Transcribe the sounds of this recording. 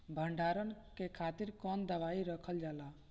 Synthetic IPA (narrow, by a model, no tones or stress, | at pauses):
bʱəɳɖaɾənkekʰat̪iɾkɔnd̪əʋaiɾəkʰəld͡ʒala